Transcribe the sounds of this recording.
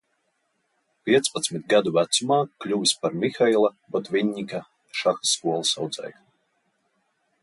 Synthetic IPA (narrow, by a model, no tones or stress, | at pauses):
pʲiɛt̪spat̪smʲit̪̚ɡad̪uvæt̪sumaːklʲuvʲisʲpaɾmʲixailˠabɔt̪vʲiɲʲːika | ʃaxḁsːkuɔlˠisɑwd̪zɛ̰j